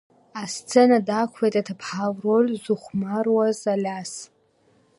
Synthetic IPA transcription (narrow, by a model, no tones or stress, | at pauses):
ast͡sʰenadakʷʰejtʼatʰapʰħavrolʲzuχʷmarwazalʲas